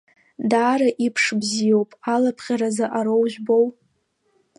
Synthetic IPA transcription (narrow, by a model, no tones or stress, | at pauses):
daːɾaʔipʰʂbzijo̞wpʼalapʰχʲaɾazaʔaɾowʒʷᶣbow